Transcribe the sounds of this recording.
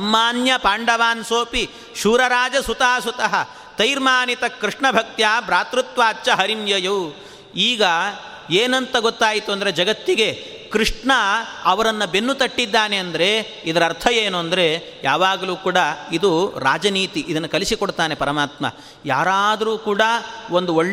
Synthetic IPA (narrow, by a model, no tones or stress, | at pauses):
ɐmːaːnjɐpaːɳɖɐʋaːnsoːpi | ʃuːɾɐɾaːd͡ʒɐsut̪ɐɦɐsut̪ɐɦɐ | t̪ɐjɾmaːnit̪ɐkɾiʂɳɐbʱɐk̚t̪jaːbɾaːt̪ɾut̪ʋaːtːt͡ʃːɐɦɐɾimjɐjɐw | iːɡɐ | eːnɐnt̪ɐɡot̪ːaːjit̪uɐnd̪ɐɾed͡ʒɐɡɐt̪ːiɡe̞ | kɾiʂɳɐɐʋɐɾɐnːɐbenːut̪ɐʈːid̪ːaːne̞ɐnd̪ɐɾe̞ | id̪ɐɾɐɾt̪ʰɐjeːnuɐnd̪ɐɾe̞ | jaːʋaːɡɐluːkuːɽɐid̪uɾa̰ːd͡ʒɐniːt̪iʔid̪ɐnːɐkɐlisikoɽt̪aːne̞pɐɾɐmaːt̪mɐ̰ | jaːɾaːd̪ɐɾuːkuːɽɐond̪uoɭː